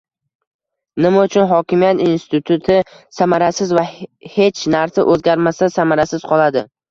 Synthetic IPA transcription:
nɪmaʊt͡ʃʰʊnɦɒkʲɪmijat̪inst̪ʰɪt̪ʰʊt̪ʰɪsamaɾasɪzvahe̞t͡ʃʰnaɾsaʔɵzɡʲaɾmasasamaɾasɪz̥qʰɒlˠad̪ɪ

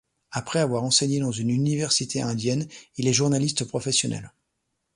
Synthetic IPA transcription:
apχɛavwaʁɑ̃seɲed̪ɑ̃zynynivɛʁsit̪eɛ̃d̪jɛnilɛʒuʁnalist̪əpχɔfɛsjɔnʔɛ̰l

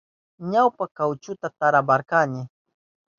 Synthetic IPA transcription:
ɲawpakawt͡ʃʊt̪at̪aɾabaɾkanɪ

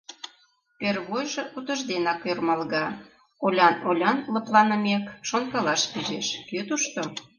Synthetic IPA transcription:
perβojʒĕʔut̪ə̆ʒd̪enɑkørmɑlɣɑ | olʲɑnolʲɑnlə̆plɑnə̆mekʃonkɑlɑʃpiʒeʃkøt̪uʃt̪o

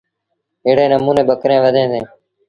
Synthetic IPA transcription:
ɪːɽeːnəmuːneːɓəkɾẽːʋəd̪ʱẽːsẽː

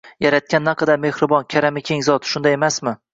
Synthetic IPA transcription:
jaɾat̪̚kʲanːaqʰɑd̪aɾme̞hɾɪbɒnkʲʰaɾamɪkʲʰe̞ŋzɒt̪ʃʊnd̪ajemasmɪ

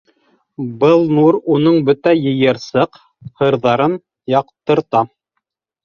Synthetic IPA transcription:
bɤlˠnuɾunɤɴbɵt̪æjɘ̆jɤ̆ɾsɤq | hɤ̆ɾðɑɾɤn | jɑqt̪ɤ̆ɾt̪ɑ

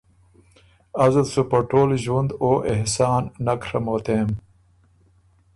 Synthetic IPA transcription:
ɐzulsupɐʈoːlʑwund̪oːʔehsaːnnɐkʰɾɐmoːt̪eːm

